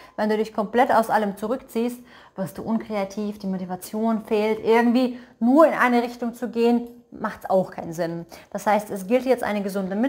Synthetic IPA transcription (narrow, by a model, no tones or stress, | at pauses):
vɛnduːdɪçkʰɔmpl̥ɛtaʊsʔaləmt͡suʁʏkt͡siːst̚ | v̥ɪɐstd̥ṵːʔʊnkʁ̥eatʰiːfd̥iːmotivat͡sjoːnfeːltʔɪɐɡŋ̩tv̥iːnuːɐɪnʔa̰ɪnəʁ̞ɪçtʊŋt͡suɡeːən | maχtsa̰ʊxkʰaɪnzɪnd̥ashaɪstɛsɡ̥ɪltjɛt͡stʔa̰ɪnəɡəzʊndəmɪ